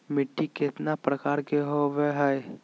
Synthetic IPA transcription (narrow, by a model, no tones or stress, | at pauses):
mɪʈːikɪt̪napɾəkaːɾkeɦoʋeɦɐj